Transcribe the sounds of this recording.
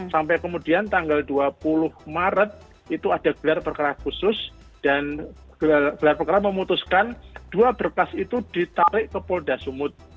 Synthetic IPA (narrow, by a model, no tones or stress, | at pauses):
sampɛjkəmudiant̪aŋɡalduapulʊhmaɾət̪̚ | it̪uadaɡ̥əlarpərkaɾakusʊs | d̥an | ɡɡ̥əlarpərkaɾaməmut̪uskand̥uabərkasit̪ud̥it̪aɾɪʔkəpoldasumʊt̪̚